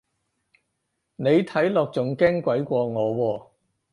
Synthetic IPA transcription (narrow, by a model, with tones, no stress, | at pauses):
ne˨˧jt̪ʰɐ˨˥jlɔː˨k̚t͡sʊ˨ŋkɛː˥ŋkʷɐ˨˥jkʷɔː˧ŋɔː˨˧wɔː˧